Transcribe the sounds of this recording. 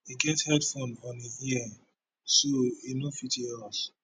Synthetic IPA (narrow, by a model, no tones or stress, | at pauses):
iɡɛthɛdfɔ̃nɔ̃nihiɛ | soinofitiɛls